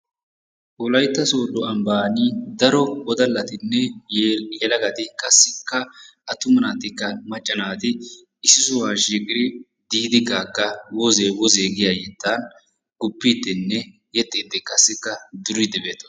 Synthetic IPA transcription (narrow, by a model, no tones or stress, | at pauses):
ʔʊlɐjt̪ːɐso̞ːd̪ːɔɐmbaːnid̪ɐɾɔwɔd̪ɐlːɐt̪ɪnːɛ | jɛlɐɡɐt̪ɪkʼɐsːɪkːɐʔɐt̪ʊmɐnaːt̪ɪkːɐmɐt͡ʃʼːɐnaːt̪ɪ | ɪsɪsʊwaːʃiːkʼɪɾɪ | d̪iːd̪ɪɡaːkːɐwɔzewɔzeːɡɪjajɛt̪ːaːn | ɡʊpːiːt̪ːɪnːɛ | jɛt̪ʼːiːd̪ːɪkʼɐsːɪkːɐd̪ʊɾɪd̪ɛbeːt̪ːɔ̥